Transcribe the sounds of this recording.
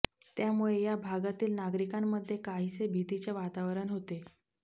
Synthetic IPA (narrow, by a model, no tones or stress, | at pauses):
t̪jamuɭejabʱaɡat̪iːlnaɡɾikamːəd̪ʱːjekaɦit͡sebʱit̪it͡ɕeʋat̪aʋɾəɳɦot̪e